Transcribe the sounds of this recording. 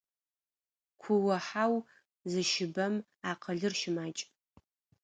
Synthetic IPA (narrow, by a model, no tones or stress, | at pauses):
kʷʰʊwɐħaw | zɨʃɪbɐm | aqʰɐɮɨrʃɪmaːt͡ʃʼ